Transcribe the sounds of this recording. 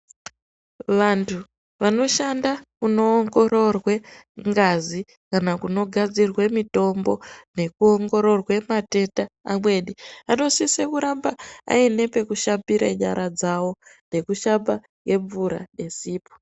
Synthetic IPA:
ʋantʰu | ʋano̞ʃandakuno̞ːŋɡo̞ro̞rweŋɡazi | kanakuno̞ɡʱad͡zirwe̞mito̞mbo̞ne̞kuoŋɡo̞ɾo̞rwe̞mate̞taamwe̞ːɗiano̞sisekuɾambaa̰ine̞pe̞kuʃapiɾa̰ɲa̰ɾad͡zawo̞ne̞kuʃapa | ke̞ɱvuɾa̰ɗe̞siːpo̥

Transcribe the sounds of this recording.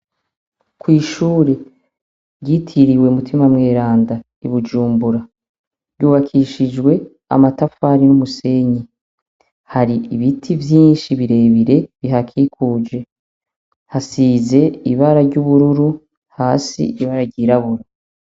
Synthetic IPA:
kwiːʃuːɾe̞ | ɾɟitʰiɾiweumutʰimamŋe̞ːɾaːnda | iβud͡ʒuːmbuɾa | ɾɟuːβakʰiʃid͡ʒɡwe̞ | a̰matafaɾinumuse̞ɲi | haɾiiβitʰivjiːnʃiβiɾe̞ːβiɾe̞βiɦakʰikʰuːd͡ʒe̞ | hasize̞iβaɾaɾɟuβuɾuɾu | haːsḭiβaɾaɟiːɾaβuɾa

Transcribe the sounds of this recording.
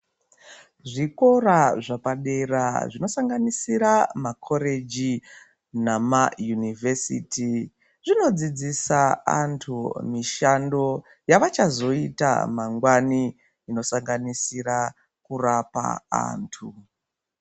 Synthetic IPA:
ʐiko̞raʐapaɗe̞raʐino̞saŋɡanisiɾamakʰo̞ɾe̞d͡ʒi | namajunivʱesḭti | ʐino̞d͡zid͡zisaa̰ntʰumiʃando̞ | jaʋat͡ʃazo̞ita̰maŋɡwaniː | no̞saŋɡanisiɾa | kurapa̰a̰ntʰu

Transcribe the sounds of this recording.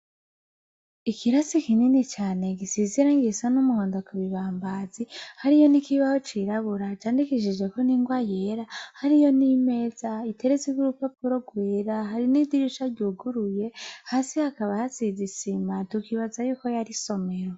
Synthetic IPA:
ikʰiɾasikininit͡ʃaːne̞ɡisiziɾaŋɡisanumuhoːndokaβiβaːmbaːzihaɾijo̞nikiβaho̞t͡ʃiɾaβuɾat͡ʃaːndikiʃid͡ʒɡe̞ko̞niːŋɡwajeɾahaɾijo̞nime̞ːz̥aitʰe̞ɾeziuɾupapuɾo̞ɡweːɾaɦaɾinidiɾiʃaɾɟuɡuɾuje̞haːsihakaβahasizisimatukiβazajuːko̞jaɾiso̞me̞ɾo

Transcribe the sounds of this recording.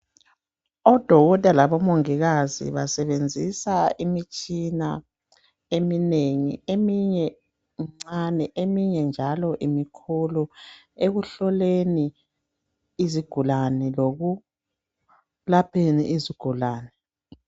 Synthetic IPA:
ɔd̥ʱɔɣɔd̥ʱalaβɔmoŋiɣazḭβasɛβend͡zʱisaimit͡ʃʼina | emineŋḭemiɲɛ | ŋ͡ǀanɛʔemiɲɛnd͡ʒʱalɔʔimikʰulɔ | eɣuɬɔleni | ziɡ̥ʱulanɛloɣu | lapʰenḭʔiziɡ̥ʱulaːnɛ

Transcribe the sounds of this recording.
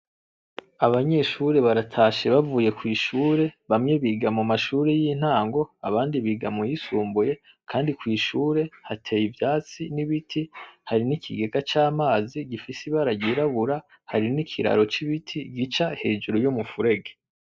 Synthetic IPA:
aβaɲe̞ʃuɾe̞βaɾatʰaːʃeβavuːje̞kwiːʃuːɾe̞βamɲeβiɡamumaʃuːɾejin̥haːŋɡo̞a̰βaːndiβiɡa̰mojisuːmbuje̞ | kʰaːndikwiːʃuːɾe̞hatʰe̞jivjaːt͡siniβitʰihaɾinikʰiɡe̞ɡat͡ʃaːmaːziɡifisiβaɾaɟiɾaβuɾa | haɾinikʰiɾa̰ɾo̞t͡ʃiβitʰiɡit͡ʃahe̞ːd͡ʒuɾujumufuɾe̞ɡe

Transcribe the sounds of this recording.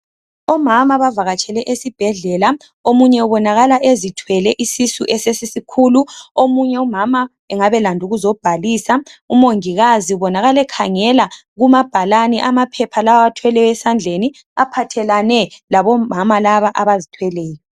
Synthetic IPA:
ɔmamaβavaɣat͡ʃʼʰɛlɛʔesib̥ʱɛɮɛla | omuɲɛuβɔnaɣalaʔezitʰwɛlɛʔisisuʔɛsesisikʰuːluomuɲɛumama | ɛŋaβɛlandʱuɣuzɔb̥ʱaliːsaumoŋiɣaziuβɔnaɣalɛkʰaŋɛla | ɣumab̥ʱalanɛʔamapʰɛpʰalawaβatʰwɛlɛjɛsand͡ɮʱeni | apʰatʰɛlanɛlaβɔmamalaβaʔaβazitʰwɛlɛːjɔ

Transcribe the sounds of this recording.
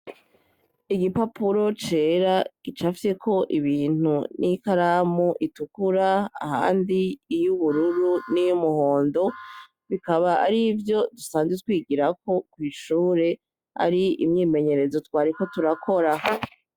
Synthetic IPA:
iɡipapuɾo̞t͡ʃe̞ɾaɡ̥it͡ʃafi̥se̞kʰo̞ʔiβiːn̥unʔikaɾamuʔitukuɾa̰ːha̰ːndiːjuβuɾuɾunijumuho̞ːndo̞ | βikaβaa̰ɾivjo̞dusaːnzetkwiːɡiɾako̞kwiːʃuːɾe̞ | a̰ɾiimɲiːme̞ɲe̞ɾe̞zo̞twaːɾiko̞tuɾakʰo̞ɾa

